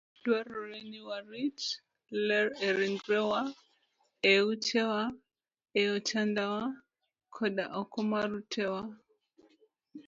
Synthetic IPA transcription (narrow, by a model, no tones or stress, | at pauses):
dwaɾɔɾɛniwaɾit͡ʃ | lɛɾɛɾiŋɡɾɛwa | ɛut͡ʃʰɛwa | ɛɔt͡ʃandawa | kʰɔɗa̰ʔɔkɔmaɾutʰɛwa